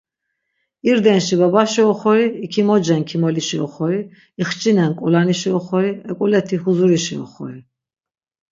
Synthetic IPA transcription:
iɾd̪ɛnʃibabaʃiɔχɔɾiːkʰimɔd͡ʒɛnkʰimɔliʃiɔ̰χɔɾi | iχt͡ʃʼinɛnkʼulaniʃiɔχɔɾiɛkʼulɛt̪ʰihuzuɾiʃiɔ̰χɔɾi

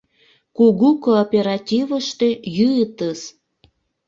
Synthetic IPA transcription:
kuɣukoːpʲeɾɑt̪ʲivəʃt̪øjyət̪əs

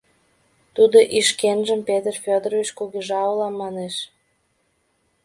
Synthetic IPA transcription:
t̪ud̪oʔiʃkenʒəmpet̪ərfʲod̪əɾovit͡ɕkuɣeʒɑolɑmːɑneʃ

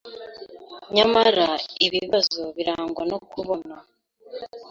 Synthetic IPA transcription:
ɲamaɾaiβiβazoβiɾaːŋɡwanokuβo̞na

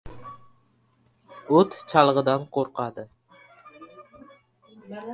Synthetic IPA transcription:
ot̪t͡ʃʰɑlˠʁəd̪ɑnqʰoɾqɑd̪ɨ

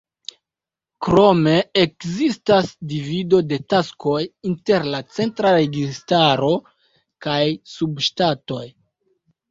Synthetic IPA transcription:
kɾo̞me̞ekzistasdivido̞de̞tasko̞jinte̞ɾlat͡se̞ntɾaɾe̞ɡistaɾo̞ | kajsubʃtato̞j

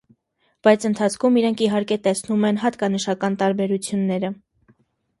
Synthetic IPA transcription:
b̥ɑjt͡sʰənt̪ʰɑt͡sʰkʰumiɾɛŋkʰiɦɑɾkɛt̪ɛsnumɛnɦɑt̪kɑnəʃɑkɑnt̪ɑɾbɛɾut͡sʰjunːɛɾə

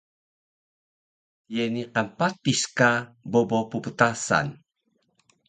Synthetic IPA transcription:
jeniqanpatiskabobopupət̪asa̰n

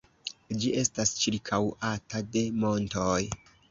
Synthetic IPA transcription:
d͡ʒiʔe̞stast͡ʃiɾkʰawatade̞mo̞nto̞j

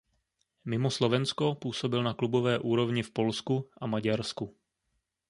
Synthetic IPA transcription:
mɪmoslo̞vɛnsko̞puːso̞bɪlnaklubo̞vɛːʔuːɾo̞vɲɪfpo̞lskuʔamaɟaɾsku

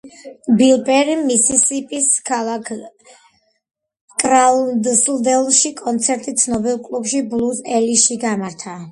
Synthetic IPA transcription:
bilˠbʼɛɾimːisisipʼiskʰalˠakʰ | kʼɾad̪sld̪ɛlˠʃikʼɔnt̪sʰɛɾt̪ʼit̪sʰnɔbɛlˠkʼlˠubʃiblˠuzɛliʃiɡamaɾt̪ʰa

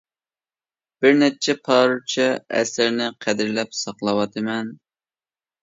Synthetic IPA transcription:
b̥ɪɾnɛt͡ʃʰɛpʰɑɾut͡ʃʰɛɛ̰sɪɾnɪqʰæd̪ɪɾlɛpsɑqlˠɑwɑt̪ʰɨmɛn

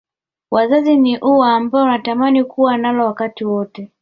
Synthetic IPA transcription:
wazaziniʔuwaːmbaɔunatamanikuwanalɔwakatiwɔtɛ

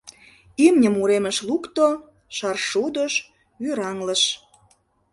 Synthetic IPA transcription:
imnʲə̆muɾemə̆ʃlukt̪o | ʃɑrʃud̪əʃ | yɾɑŋlə̆ʃ

